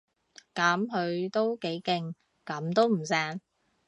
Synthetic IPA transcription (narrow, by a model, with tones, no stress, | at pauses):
kɐ˨˥mɦɵ˨˧ɥt̪o˥wke˨˥jkɪ˧ŋ | kɐ˨˥mt̪o˥wm̩˨˩saː˧n